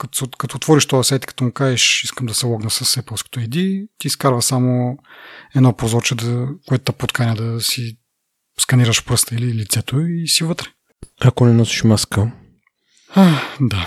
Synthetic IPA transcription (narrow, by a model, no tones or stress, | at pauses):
kɐt̪o̥skɐt̪oːt̪vɔɾiʃt̪ɔɐsɛt̪i̥kɐ̥t̪ɔmʊkaɛʃiskəmd̪ɐsɛlˠɔɡnəsɐsɛpəlˠsko̥t̪oɛjd̪it̪iːskaɾvəsamo | ɛd̪nɔpɾozɔɾt͡ʃɛd̪ɐkoɛt̪ʊt̪apot̪kanɛd̪ɐsi | skɐniɾəʃpɾəst̪əililit̪sɛt̪oisivɤt̪ɾɛ̥ | akonɛnɔsi̥ʃmaskə | ad̪a